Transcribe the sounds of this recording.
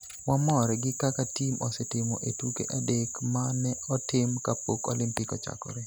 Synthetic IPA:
wamɔɾɛɡɪkakatimɔsɛtɪmɔʔetukḛʔadekmanɛɔtɪmkapokɔ̰lɪmpɪkɔt͡ʃa̰kɔ̰ɾe

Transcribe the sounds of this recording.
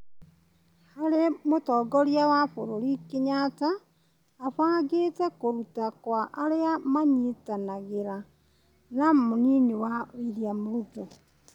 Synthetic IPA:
haɾemotɔːɡɔɾiawafoɾoɾikeɲataː | fwaːɡetɛkoɾutakwaʔaɾeamaɲitanaɣeɾa | namoninewaiɾiamoɾupo

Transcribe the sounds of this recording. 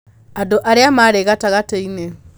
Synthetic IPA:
adoʔaɾeamaɾeɣataɣateine

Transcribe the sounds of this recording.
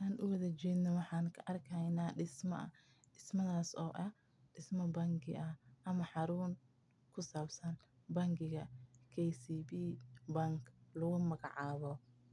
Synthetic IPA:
aːnʔʊwɐðɐt͡ʃɛːd̪nɔwɑħɑːŋkʰɐʔɐrkʰɐjnaːɖɪsmɐ̰ | ɖɪsmɐðaːsɔːʔɐh | ɖ̥ɪsmɐbɐŋkʰɪ̰ʔɐʔɐmɐħɑɾuːŋ | kʰʊsaːbsɐn | bɐŋɡɪɣɐkʰɛjsiːbiːbɐŋkʰlʊɣʊmɐɣɑʕɑːβɔ

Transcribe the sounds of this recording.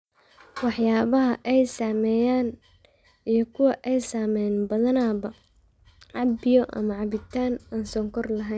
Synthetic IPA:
wɑħjaːβɐɦɐʔɛjsaːmɛjaːn | ijɞkʰʊwɐʔɛjsaːmɛjnbɐðɐnaːβɐ | ʕɑbɪjɔʔɐ̰mɐʕɑβɪt̪ʰaːnaːnsɔːŋkʰɔrlɐɦɛn

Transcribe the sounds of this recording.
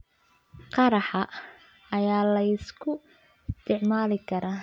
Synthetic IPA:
qɑɾɑħɑ | ɐjaːlɐjɪskʰʊ | ɪst̪ʰɪʕmaːlɪkʰɐɾaː

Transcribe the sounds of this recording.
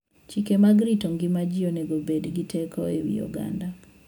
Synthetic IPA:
t͡ʃikemaɡɾitoŋɡɪmad͡ʒionɛɡobedɡitʰɛkʰɔewḭɔ̰ɡa̰nda

